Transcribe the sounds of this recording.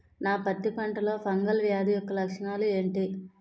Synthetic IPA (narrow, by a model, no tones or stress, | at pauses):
naːpɐt̪ːipɐɳʈɐlo̞ːpʰɐŋɡɐlʋjaːd̪ʱijɔkːɐlɐkʂɐɳaːlue̞ːɳʈiː